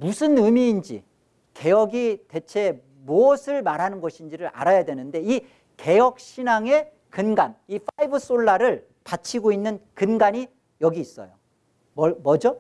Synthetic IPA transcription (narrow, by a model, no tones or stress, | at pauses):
musʰɯnɯmiːnd͡ʑḭ | ke̞jʌɡite̞t͡ɕʰe̞ | moʌsʰɯɭmaɾɦanɯnɡʌɕʰind͡ʑiɾɯɾa̰ɾajadwenɯnde̞i | ke̞jʌk̚ɕʰinaŋe̞ | kɯnɡanifʰaibɯs͈oɭːaɾɯɭ | pat͡ɕʰiɡoinːɯnkɯnɡaɲi | jʌɡiːs͈ʌ̰jo | mʌmʌd͡ʑo